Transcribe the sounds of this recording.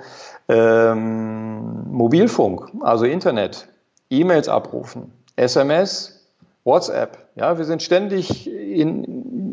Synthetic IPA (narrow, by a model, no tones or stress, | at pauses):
ʔɛm | obiːlfʊŋkʔa̰lzoʔɪntɐnɛt | ʔiːmeːlsʔa̰pʁṵːfn̩ | ʔɛsɛmɛs | wɔtsʔɛ̰p | ja̰ːviːɐzɪntʃtɛndɪçɪn